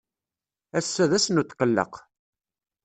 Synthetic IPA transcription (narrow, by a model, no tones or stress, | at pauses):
æsːæðæsənut̪ːqəlːə̰q